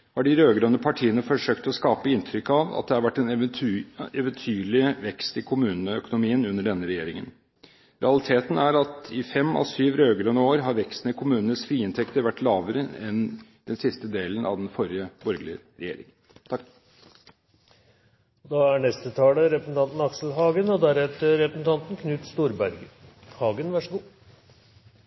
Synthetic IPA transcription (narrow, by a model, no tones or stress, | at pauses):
hɑɖɪɾøːɡɾɑnəpʰɑʈʰiːənəfɔʂøːk̚t̪ɔskɑːpəɪnt̪ʰɾʏkːɑʋɑ̰t̪̚d̪ɛhɑɾʋæʈːɛn | ɛʋənt̪ʰyːɭɪʋɛkst̪ɪkʰʊmʉːnnəœkʊnʊmiːənʉnːəɖɛnːəɾɛjeːɾɪŋə̰n | ɾɛ̰ɑlɪt̪ʰeːt̪n̩æɾɑt̪ɪfɛmːɔ̰syːʋɾøːɡɾønəoːɾɦɑɾʋɛkst̪nəɪkʰʊmʉːnənəsfɾiːɪnt̪ʰɛkt̪əɾʋæʈːlɑːʋəɾəɛnd̪ɛnsɪst̪əd̪eːlənʔɑ̰ʋd̪ɛnfɔɾjəbɔɾɡlɪəɾɛjḛːɾɪ̰ŋ | t̪ʰɑ | ɔd̪ɑːæɳɛst̪ət̪ʰɑːləɾɛpɾsn̩t̪ʰɑnt̪n̩ɑksl̩ɦɑːɡənɔd̪æɾɛt̪əɾɛpɾəsn̩t̪ʰɑnt̪nkʰnʉːt̪st̪uːɾbæɾɡə | hɑːɡənʋæʂɔɡuː